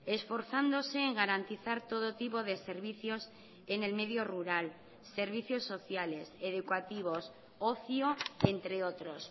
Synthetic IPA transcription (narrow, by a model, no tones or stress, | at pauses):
esfo̞ɾθand̪oseːŋɡaɾant̪iθaɾt̪oð̞ot̪ipoðeseɾβiθjo̞s | ene̞lmeðjoruɾal | se̞ɾβ̞iθjo̞sːo̞θjale̞seðukwat̪iβ̞o̞s | oθjoent̪ɾeot̪ɾos